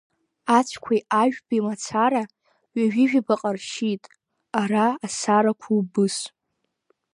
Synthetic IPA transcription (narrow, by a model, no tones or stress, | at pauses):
at͡ʃʷʰkʷʰajaʒᶣbimat͡sʰaɾa | ɥaʒᶣiʒᶣibaqʼarʃitʼ | araːsaɾakʷʰubɨs